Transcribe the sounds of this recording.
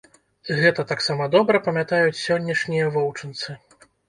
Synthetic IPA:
ɣɛt̪ɐt̪aksamɐd̪ɔbɾɐpɐmʲat̪ajut͡sʲsʲɔnʲːɐʂnʲijɐvɔwt͡ʂɨnt̪sɨ

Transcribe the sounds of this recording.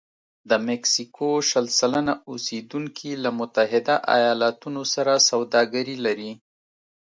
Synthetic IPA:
d̪əmɪksikʰoʃalsalanaused̪uŋkʰilamʊt̪aɦɪd̪aʔa̰jɑlat̪unosaɾasawd̪ɑɡaɾilaɾi

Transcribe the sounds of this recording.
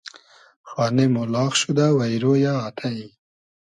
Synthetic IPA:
xwɑnemolɑxʃud̪awajɾojɑːt̪ʰai

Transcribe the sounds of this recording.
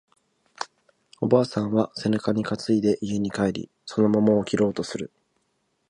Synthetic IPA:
o̞baːsãɰ̃βase̞nakaɲ̟ikat͡sɨid̪e̞ʔijɯ̟ɲ̟ikaeɾʲḭ | so̞no̞momo̞ːkʲiɾo̞ːt̪o̞sɨɾɯ̟

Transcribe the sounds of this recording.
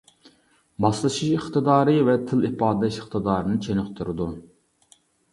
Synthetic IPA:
mɑslˠɨʃiʃiχt̪ʰɨd̪ɑːɾɨvɛt̪ʰɪlipɑːd̪ɛʃəχt̪ʰɨd̪ɑːɾɨnɨt͡ʃʰenɨqt̪ʰuɾɨd̪u

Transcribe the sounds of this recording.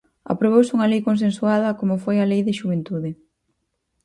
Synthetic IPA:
ɐ̰pɾoβ̞owsuŋɐlejkonsensuað̞ɐkomofojɐlejðɪʃuβent̪uðɪ

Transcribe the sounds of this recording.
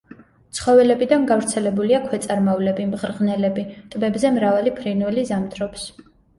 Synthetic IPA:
t̪sʰχɔvɛlɛbid̪anɡavɾt̪sʰɛlɛbuliakʰwɛt̪sʼaɾmavlɛbimʁɾʁnɛlɛbit̪ʼbɛbzɛmɾavalipʰɾinwɛlizamt̪ʰɾɔps

